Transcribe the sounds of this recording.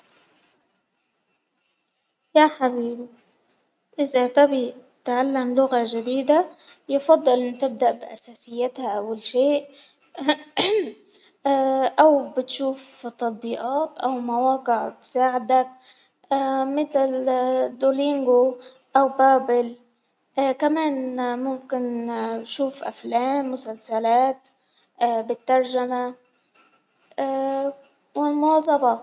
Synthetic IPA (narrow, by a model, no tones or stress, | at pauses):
jaħabiːb | ʔɪzat̪abi | t̪ʕalːamlʊɣaʒad̪iːd̪ajfɑd̪ˤːɨlʔɪnːt̪ɪb̚d̪aʔbɪʔa̰saːsɪjːat̪haʔawalʃeːʔ | ʔawbɪt̪ʃuːft̪ːɑt̪̚ˤbiːʔɑːt̪ʔawmawɑːqɪʕt̪saːʕɪd̪ak̚ː | mɪt̪ld̪oliŋɡo | ʔawbaːbɪl | kameːnmʊmkɪnʃuːfʔa̰fleːmːʊsalsalaːt̪ː | bɪt̪ːɑɾˤʒama | wɪlmʊnɑːzˤɑbɑ